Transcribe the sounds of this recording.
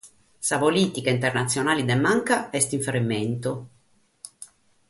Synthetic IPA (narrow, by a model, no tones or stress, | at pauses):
savoliːt̪ikeint̪ernat̪sːjonaːlid̪emaŋkaɛst̪iɱfeɾimːɛnt̪o